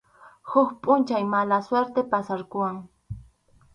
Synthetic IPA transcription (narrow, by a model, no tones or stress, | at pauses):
hʊkpʼʊnt͡ʃajmalasweɾt̪epasaɾkʊwaŋ